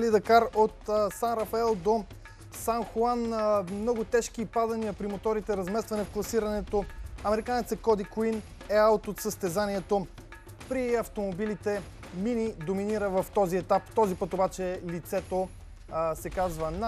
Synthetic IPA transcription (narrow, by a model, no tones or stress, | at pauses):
lid̪ɐkaɾot̪sanɾɐfɐɛlˠd̪o | sanxoanmnɔɡʊt̪ɛʃk̟ipad̪ɐniəpɾimot̪ɔɾit̪ɛɾɐzmɛst̪vɐnɛfklˠɐsiɾɐnɛt̪oɐmɛɾikanɛt̪səkɔd̪ikuin | ɛalˠt̪ot̪səst̪ɛzaniɛt̪o | pɾiɐft̪omobilit̪ɛ | minid̪ominiɾəvɐft̪ɔziɛt̪apt̪ɔzipɤt̪obat͡ʃɛlit̪sɛt̪o | sɛkazvəna